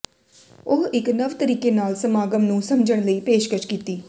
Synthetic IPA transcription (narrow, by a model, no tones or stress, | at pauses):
oɦɪknəʋt̪əɾiːkeːnaːlsəmaːɡəmnũːsəmd͡ʒəɽɳ̃ləiːpeːʃkət͡ʃkiːt̪iː